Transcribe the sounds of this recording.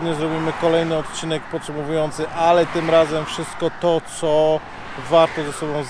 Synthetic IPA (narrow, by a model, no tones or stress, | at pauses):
d̪ɲɛzɾɔbʲimɘkɔlɛjnɘɔt̪̚t͡ɕinɛk̚pɔtʂɛmɔvujɔnt̪sɘʔalɛt̪ɘmɾazɛmfʂɘst̪̚kɔt̪ɔt̪sɔ | vaɾt̪ɔzasɔbɔ̃w̃z